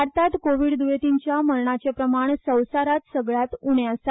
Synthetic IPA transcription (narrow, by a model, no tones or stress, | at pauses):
aɾt̪at̪koʋiɽd̪uʋet̪iɲt͡ɕjaməɾɳat͡ɕepɾəmaɳsə̃wsaɾat̪səɡɭjat̪uɳjasa